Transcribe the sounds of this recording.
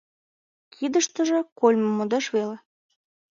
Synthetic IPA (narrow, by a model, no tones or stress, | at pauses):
kʰid̪əʃt̪ə̆ʒĕkolʲmɤ̆mud̪ɑʃβele